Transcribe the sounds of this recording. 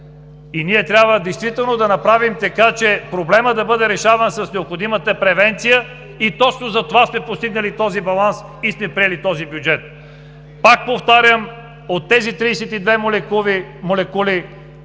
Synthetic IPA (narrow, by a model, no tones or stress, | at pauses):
iniɛt̪ɾʲjabvəd̪ɛjst̪vit̪ɛlˠnod̪ɐnɐpɾavimt̪ɐkat͡ʃɛpɾoblɛməd̪ɐbɤd̪ɛɾɛʃavənsɐsnɛopxod̪imət̪əpɾɛvɛnt̪sijə | it̪ɔt͡ʃnozɐt̪ovasmɛpost̪iɡnəlit̪ɔzibɐlˠans | ismɛpɾijɛlit̪ɔzibjud͡ʒɛt̪̚ | pak̚poft̪aɾʲəm | ot̪ːɛzit̪ɾiːsɛt̪id̪vɛmlɛkuimolɛkuli